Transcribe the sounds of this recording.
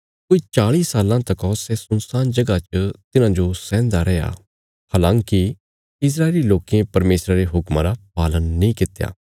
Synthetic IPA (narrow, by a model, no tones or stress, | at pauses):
koit͡ʃaːɭiːsaːlãt̪ɐkɔːsɛsʊnsaːnd͡ʒɐɡat͡ʃət̪ɪnãd͡ʒosɛ̃ːnd̪aɾɛja̰ | haːlãːŋki | ɪs̬ɾaːeliloːkiẽpɐɾmeːsɾaɾeɦʊkmãɾapaːlənːĩkɪt̪ja̰ː